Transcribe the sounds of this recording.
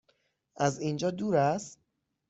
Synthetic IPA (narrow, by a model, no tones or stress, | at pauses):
ʔæzind͡ʒɒːd̪uːɾæst̪